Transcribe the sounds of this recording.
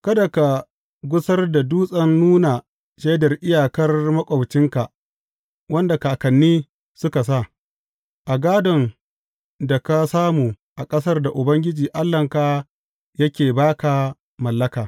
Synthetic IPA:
kɐ˦da˨ka˨ | ɡʷʊ˦sɐ˦rda˨duː˦sʼɐ˦nːuː˦na˨ | ʃe˦dɐ˨rʔɪ˦jaː˨kɐ˦rmɐ˦kʷʼɐ˨bt͡ʃɪ˦ŋka˨ | wɐ˦nda˨kaː˨kɐ˨nːiː˦ | sʊ˦ka˨s̬a˦˨ | ʔa˨ɡaː˦dɔ˨n | da˨ka˦saː˦muː˨ | ʔa˨kʼɐ˦sɐ˦rda˨ʔʊ˨bɐ˦ŋɡʲɪ˦d͡ʒiː˨ʔa˦lːɐ˨ŋka˨ | jɐ˦kʲeː˨baː˦ka˨ | mɐ˨lːɐ˦kaː˨

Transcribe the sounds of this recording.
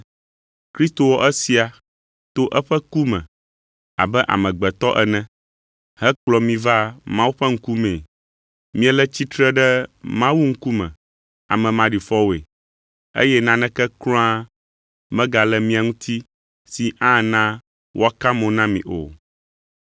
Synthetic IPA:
kɾi˦st̪o˨wɔ˦ʔɛ˦si˨a˨ | t̪o˦ʔɛ˦ɸɛ˦ku˦mɛ̰̃˨ | a̰˨bɛ˦ʔa̰˨mɛ̃˨ɡ͡bɛ˨t̪ɔ˦ʔɛ˨nɛ̃˦ | hɛ˦k͡plɔ˨mĩ˨va˦mã˦wu˦ɸɛ˦ŋ̩˦ku˦mẽ˨ | mĩ˦ɛ˦lɛ˦t͡ɕi˦t̪ɾɛ˦ɖɛ˦mã˦wu˦ŋ̩˦ku˦mɛ̰̃˨ | a̰˨mɛ̃˨mã˨ɖi˨fɔ˦wo˨ḛ˨ | ḛ˦jɛ˦nã˦nɛ̃˦kɛ˦klɔ̃˦a˦ | mɛ̃˦ɡa˨lɛ˦mĩ˦a˨ŋũ˦t̪ʰi˦ | si˨ʔã˦nã˦ | wʔo̰˦a˦ka˦mɔ̃˨nã˦mḭ̃˨ʔo̰˨

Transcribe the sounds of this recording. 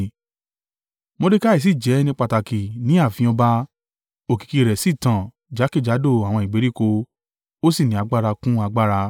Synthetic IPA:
mo˧de˦ka˦i˨s̬i˦˨d͡ʒɛ˨˦nĩ˧k͡pa˧ta˨ki˨nĩ˨˦a˦˨fĩ˧ɔ̃˧ba˧ | o˨ki̥˨ki˧ɾɛ˨si˦˨tã˨ | d͡ʒa˨˦ki˦˨d͡ʒa˨˦do˦˨a˨w̃ɔ̃˧i˨ɡ͡be˨˦ɾi˦˨ko˧ | o˦si˦˨nĩ˨a˧ɡ͡ba˦˧ɾa˧kũ˦a˧ɡ͡ba˦ɾa˧

